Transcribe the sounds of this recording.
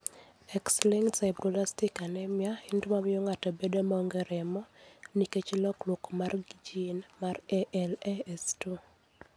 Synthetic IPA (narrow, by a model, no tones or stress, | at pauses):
ɛkslɪŋsaɪbɾolastɪkanɛmjaɪndmamɪjɔŋatɔbedomɔoŋɡeɾɛmɔniket͡ʃlɔklwɔkomarɡd͡ʒinmarɛʔɛlɛɛstu